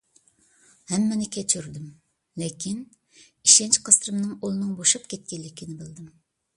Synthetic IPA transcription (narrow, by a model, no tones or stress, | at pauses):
hɛmːɛnɪkʲʰɛt͡ʃʰyɾd̪ɪm | lekʲʰin | iʃɛnt͡ʃqʰɑsɾɨmnɨŋolˠɨnɨŋboʃupkʲɛt̪̚kʲɛllːɪkʲʰinɪbɪlˠd̪ɪm